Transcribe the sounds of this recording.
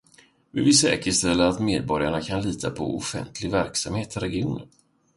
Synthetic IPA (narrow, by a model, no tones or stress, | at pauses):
vɪvɪsɛ̰ːkəʂt̪ɛlːəɾat̪meːd̪̚bɔɾjaɳakʰanliːt̪ʰapʰɔ̰ʊ̰fɛ̰nt̪ʰlɪɡvæɾksamheːt̪ʰɪɾɛɡɪuːnən